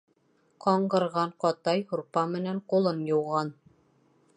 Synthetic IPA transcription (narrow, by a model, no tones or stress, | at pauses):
qɑɴɢɤ̆ɾʁɑɴqɑt̪ɑjhuɾpɑmɘ̆næɴqulˠɤnjŏwʁɑn